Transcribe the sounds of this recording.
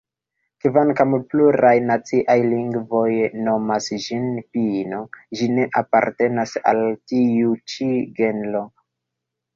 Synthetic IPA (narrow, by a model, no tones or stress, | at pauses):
kvankampluɾajnat͡siʔajliŋɡvo̞jno̞masd͡ʒinpino̞d͡ʒine̞ʔapa̰ɾte̞nasa̰ltiut͡ʃiɡe̞nlo̞